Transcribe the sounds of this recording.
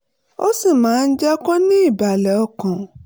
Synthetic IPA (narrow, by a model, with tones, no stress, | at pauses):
o˦sĩ˦˨mãː˨˦n̩˦d͡ʒɛ˦kɔ˦nĩ˦i˦˨ba˨lɛ˨ɔ˧kã˨